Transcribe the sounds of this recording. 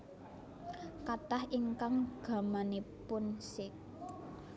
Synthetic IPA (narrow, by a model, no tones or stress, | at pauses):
kat̪ahiŋkaŋɡ̥ä̤manipʊnsɪk̚